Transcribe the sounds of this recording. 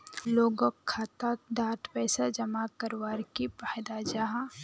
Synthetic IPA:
loːɡokʰːaːt̪ak̚d̪ʱaːt̪pɛːsad͡ʒɐmakəɾwaːɾkipaːjd̪ad͡ʒaɦã

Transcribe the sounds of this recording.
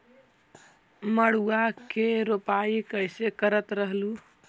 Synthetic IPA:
məɽ̤uakeɾopaikəjsekəɾət̪ɾəɦlu

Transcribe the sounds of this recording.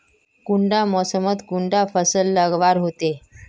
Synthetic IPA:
kuɳɖamɔsəmət̪kuɳɖafəsəlːəɡʋaɾɦot̪e

